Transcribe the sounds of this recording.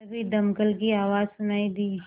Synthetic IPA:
bʱid̪ɐmkəlkiaːʋaːzsʊnaːid̪iː

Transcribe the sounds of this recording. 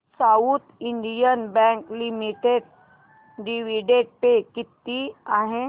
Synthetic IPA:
saut̪iɳɖijənbɛ̃ŋklimiʈeɖ | ɖiʋiɖeɖ̚pekit̪ːiaɦe

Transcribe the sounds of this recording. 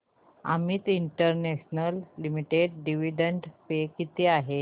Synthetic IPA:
a̰miːt̪iɳʈəɾneɕnəlːimiʈeɖɖiʋiɖəɳɖpekit̪eaɦe

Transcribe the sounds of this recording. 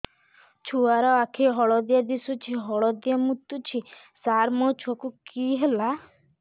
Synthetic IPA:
t͡ʃʰuaɾɔakʰiɦɔɭɔd̪ijad̪isut͡ʃʰiɦɔɭɔd̪jamut̪ːut͡ʃʰi | saɾmɔt͡ʃʰokukiɦela

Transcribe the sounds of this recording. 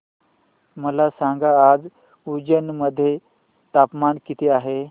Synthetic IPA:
məlasãŋɡaːd͡z | ud͡ʑənməd̪ʱːje | t̪apmankit̪ʰeaɦe

